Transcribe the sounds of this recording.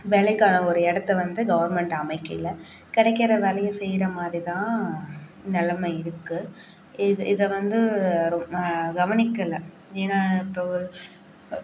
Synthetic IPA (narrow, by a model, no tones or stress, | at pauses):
ʋeːlɐɪkːaːnɐɔɾɯɛɽɐt̪ːɐʋɐnd̪ɯɡɐʋɐɾmɛɳʈɐmɐɪkːɐ̰ɪlɐ | kɪɽɐɪkːɪɾɐʋeːlɐjɐsɛjːɪɾɐmaːd̪ɾit̪ãː | nɪlɐmɐɪɾɯkːɯ | ɪðʔɪðɐʋɐnd̪ɯɾɔmɐɡɐʋɐnɪkːɐlɐ | eːnaːɪpːoːɔɾɯ